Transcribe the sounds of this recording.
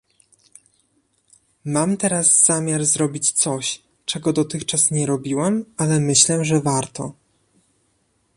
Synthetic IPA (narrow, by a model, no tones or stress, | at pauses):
mamt̪ɛɾaz̥ːamʲjaɾzɾɔbʲit͡ɕt̪sɔɕ | t͡ʂɛɡɔd̪ɔt̪ɘxt͡ʂasɲɛɾɔbʲiwɛmalɛmɘɕlɛʐɛvaɾt̪ɔ̰